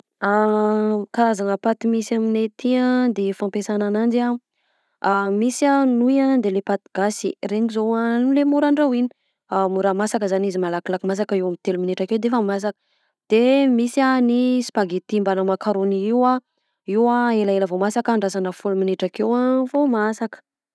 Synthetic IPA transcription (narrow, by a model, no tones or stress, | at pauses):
a | kaɾazanəpat̪imisaminet̪ʰiad̪efampesananand͡ʒa | amisanujad̪elepat̪iɡasḭreŋizowanlemuɾaɳɖ͡ʐawini̥ | amuɾamasakəzanizimalakilakimas̬akəewamit̪elumineʈ͡ʂakewd̪efamas̬akə̥ | d̪̥emisianispaɡet̪imbanəmakaɾoniiwa | iwaelaeləvomasakaɳɖ͡ʐasanəfulumineʈ͡ʂakewafomasakə̥